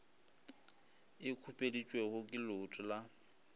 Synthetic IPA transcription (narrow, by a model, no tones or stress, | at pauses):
ɪkʰupʼedit͡ʃʼwehʊkʼɪlʊtʼʊla